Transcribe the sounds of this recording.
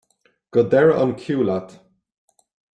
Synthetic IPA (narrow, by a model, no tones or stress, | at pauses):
ɡ̥əd̪ɛɹɔ̰nkʰjuːlat̪